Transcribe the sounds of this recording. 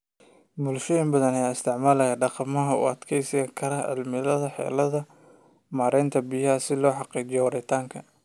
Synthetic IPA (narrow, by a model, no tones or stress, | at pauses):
mʊlʃɛjɪmbɐðɐnɛjɪst̪ʰɪʕmaːlɐjaːɖɑqɑmɐɦɐʊ̰ɐd̪kʰɛjsɐkʰɐɾɐɪ̰lmɪlɐðɐħɛ̰ːlɐðɐ | maːɾɛːnt̪ʰɐbijɐɐsɪlɔːħɑqiːt͡ʃɪjɔwɐɾɛt̪ʰaːŋkʰɐ